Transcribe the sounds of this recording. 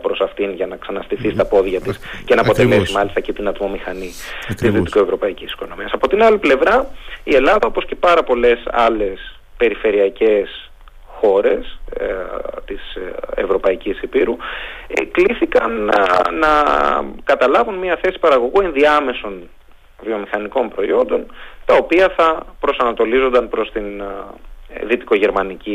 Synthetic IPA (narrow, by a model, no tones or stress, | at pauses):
pɾo̞sɐft̪inʝɐnɐksɐnɐst̪iθist̪ɐpo̞ðʝɐt̪isce̞nɐːpo̞t̪e̞le̞simɐlist̪ɐcit̪inɐt̪mo̞mixɐni | t̪izðit̪ikue̞vɾo̞pɐicisi̥ko̞no̞miɐsɐpo̞t̪inɐliple̞vɾɐie̞lɐðɐo̞po̞sce̞pɐɾɐpo̞le̞sɐ̰le̞s | pe̞ɾife̞ɾiɐce̞s | xo̞ɾe̞s | t̪isḛvɾo̞pɐicisipiɾṵ | kliθikɐnː | ɐ̰kɐt̪ɐlɐvunmiɐθe̞si̥pɐɾɐɣo̞ɣue̞nðiɐme̞so̞n | vio̞mixɐniko̞mpɾo̞io̞nd̪o̞nt̪ɐo̞piɐθɐpɾo̞sɐnɐt̪o̞lizo̞nd̪ɐnpɾo̞st̪in | ðit̪i̥ko̞ʝe̞ɾmɐnici